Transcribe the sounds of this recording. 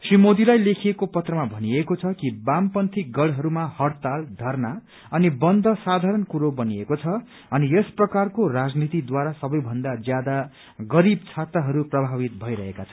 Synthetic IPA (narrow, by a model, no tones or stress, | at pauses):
srimod̪ilajlekʰiekopʌt̪rʌmabʱʌniekot͡sʰʌkibampʌnt̪ʰiɡʌɽɦʌɾumahʌrt̪ald̪ʱʌrna | ʌnibʌnd̪ʱʌsad̪ʱaɾʌnkuɾobʌniekot͡sʰʌ | ʌniesprʌkarkorad͡znit̪id̪waɾasʌbʌjbʱʌnd̪ad͡zjad̪a | ɡʌɾib̚t͡sʰat̪ːaɦʌɾuprʌbʱabit̪̚bʱʌiɾʌɦekat͡sʰʌ